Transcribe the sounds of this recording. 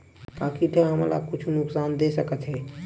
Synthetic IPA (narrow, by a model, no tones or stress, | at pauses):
kãkiʈʰəɦəmla̰kʊt͡ʃʰunʊksaːnd̪esəkət̪ɦɛ